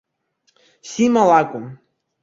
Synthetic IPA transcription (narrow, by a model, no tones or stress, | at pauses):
simalˠakʷʼum